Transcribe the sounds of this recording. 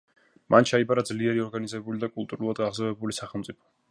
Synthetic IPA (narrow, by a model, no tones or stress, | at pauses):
mant͡ʃʰaibaɾad̪zliɛɾiɔɾɡanizɛbulid̪akʼulˠt̪ʼuɾulˠad̪ɡaʁzavɛbulisaχɛlˠmt̪sʼipʰɔ̥